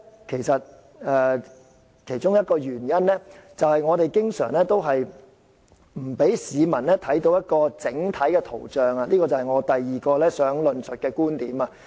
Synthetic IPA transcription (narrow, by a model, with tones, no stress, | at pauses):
kʰe˨˩jsɐ˨t̚ | ɛː˧ | kʰe˨˩jt͡ʃʊ˥ŋjɐ˥t̚kɔː˧jyː˨˩njɐ˥nlɛː˥t͡sɐ˨whɐ˨jŋɔː˨˧t̪e˨˩jkɪ˥ŋsœ̰ː˨˩ŋlɛː˥t̪o˥wɦɐ˨j | m̩˨˩pe˨˥jsiː˨˧mɐ˨˩nlɛː˥t̪ʰɐ˨˥jt̪o˧wjɐ˥t̚kɔː˧t͡sɪ˨˥ŋt̪ʰɐ˨˥jkɛː˧t̪ʰo̰˨˩wt͡ʃœː˨ŋa˧liː˥kɔː˧t͡sɐ˨whɐ˨˩jŋɔː˨˧t̪ɐ˨jːiː˨kɔː˧lɛː˥sœː˨˥ŋlɵ˨nsɵ˨t̚kɛː˧kuː˥nt̪iː˨˥ma˧